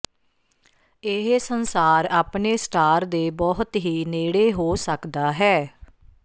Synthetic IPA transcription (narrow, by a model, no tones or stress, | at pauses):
ɪɦsənsaːɾaːpneːsʈaːɾd̪eːbɔːɦət̪ɦiːneːɽeːɦoːsəkd̪aːɦɛː